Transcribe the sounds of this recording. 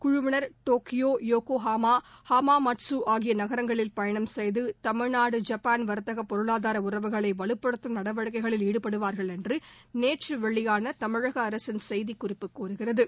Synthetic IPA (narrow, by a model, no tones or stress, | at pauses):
kʊɻʊʋɐnɐɾʈoːkɪjoːjoːkoːɦaːmaːhaːmaːmɐʈsuːʔaːɣɪjɐnɐɣɐɾɐŋɡɐɭɪlpɐjɐɳɐmsɛjðɯt̪ɐmɪɻnaːɽɯd͡ʒɐpːaːnʋɐɾt̪ɐɣɐpːɔɾɯɭaːðaːɾɐʊrɐʋɯɣɐɭɐɪʋɐɭɯpːɐɽɯt̪ːɯmnɐɽɐʋɐɻɯkːɐɪɣɐɭɪliːɽɯpːɐɽɯʋaːɾɣɐɭɛndrɯneːʈrɯʋɐɭːɪjaːnɐt̪ɐmɪɻɐɣɐːɾɐsɪnsɛjðikːʊrɪpːɯkːuːɾɯɣɪrɐðɯ